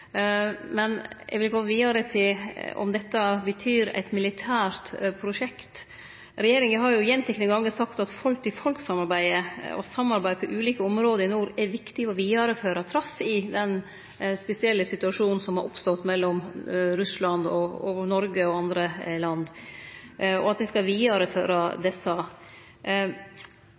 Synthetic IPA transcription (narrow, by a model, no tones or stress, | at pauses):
mɛnʔɛ̰ɡʋɪlɡɔəʋiːɑɾət̪ʰɪlɔ̰md̪ɛt̪ːɑbət̪ʰyːɾæ̰ɪt̪mɪlɪt̪ʰæːɾt̪pʰɾʊʂɛkt̪ | ɾɛjeːɾɪŋəɦɑɾjʊjɛnt̪lɪknəŋɡɑŋːəsɑkt̪ɑt̪fɔlk̚t̪ʰɪfɔlksɑmɑɾbæɪəɔ̰sɑmːɑɾbæɪd̪əpʰɔʔʉːliːkəɔmɾoːd̪əɾɪnuːɾɛɾʋɪkt̪ɪɔʋiːɑɾəføːɾɑt̪ʰɾɑsɪd̪ɛn | spɛsɪɛlːəsɪt̪ʉɑʂuːnn̩sɔmhɑɾʔɔ̰pst̪ɔt̪mɛlːɔmɾʉslɑnd̪ɔɔ̰nɔɾɡəɔɑnd̪ɾəlɑnd̪ | ɔ̰ɑt̪̚d̪ɛskɑʋiːɑɾəfø̰ːɾɑd̪ɛsɑ